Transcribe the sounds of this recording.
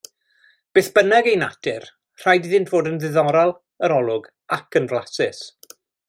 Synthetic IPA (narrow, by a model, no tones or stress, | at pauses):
b̥eːθb̥ənaɡejna̰dʰɪr | r̥ajdiðɪntʰv̥oːdənðɪðɔɾalˠ | əɾɔlˠʊɡ | akʰənvlˠasɪs